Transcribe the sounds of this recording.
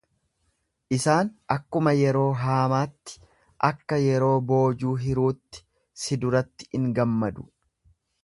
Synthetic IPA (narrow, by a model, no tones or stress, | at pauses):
ʔɪsaːnɐkːʊmɐjɛɾo̞ːɦaːmaːt̪ːɪ̥ | ʔɐkːɐjɛɾo̞ːbo̞ːd͡ʒuːɦɪɾuːt̪ːɪ̥ | sɪd̪ʊɾɐt̪ːɪ̥ɪŋɡɐmːɐd̪ʊ̥